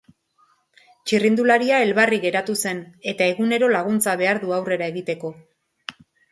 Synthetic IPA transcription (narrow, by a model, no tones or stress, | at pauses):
t͡ʃirind̪ulaɾiae̞lβariɣe̞ɾat̪use̞ne̞t̪ae̞ɣune̞ɾo̞laɣ̞unt͡saβ̞e̞aɾðuawre̞ɾae̞ɣit̪e̞ko̞